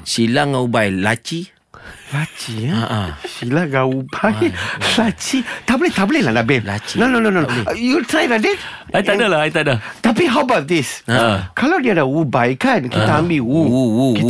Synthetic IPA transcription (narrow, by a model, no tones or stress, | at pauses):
silaŋaubajlat͡ʃi | lat͡ʃiaasilaɡaubajlat͡ʃit̪ablet̪ableladabɛlat͡ʃinõnõnõnõnjut̪ɾajladɛtaj̪adalaait̪adət̪apiɦawəbawt̚d̪iskalawdiadaubajkankit̪aambiwuuwuki